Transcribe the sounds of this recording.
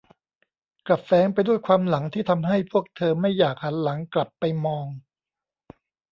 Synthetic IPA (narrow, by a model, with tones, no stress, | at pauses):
kla˨˩fɛː˨˦˥ŋpa˧jdu˥˩əjkʰwaː˧mla˩˦ŋt̪ʰiː˥˩t̪ʰa˧mɦa˥˩jpʰu˥˩ək̚t̪ʰɤː˧ma˥˩jːaː˨˩k̚ha˩˦nla˩˦ŋkla˨˩pːa˧jmɔː˧ŋ